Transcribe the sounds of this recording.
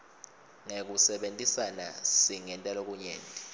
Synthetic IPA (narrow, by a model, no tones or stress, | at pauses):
ŋek̬usɛɓentʼisana̰siŋɛntʼalok̬ʼuɲeːntʼi